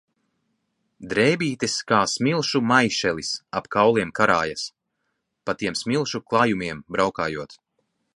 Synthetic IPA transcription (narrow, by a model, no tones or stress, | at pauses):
d̪ɾɛːbiːt̪eskaːsmʲilˠʃumajʃɛlˠisapkawlˠiɛmkaɾaːjas | pat̪iɛmsmʲilˠʃuklˠaːjumiɛmbɾawkaːjuɔt̪